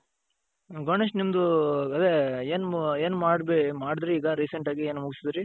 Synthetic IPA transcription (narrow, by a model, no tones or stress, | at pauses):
ɡoɳeʂʈnimd̪uɐd̪eeːneːnmaːɽbemaːɽid̪ɾeiːɡɐɾiːseɳʈaːɡieːnmuɡisid̪ɾi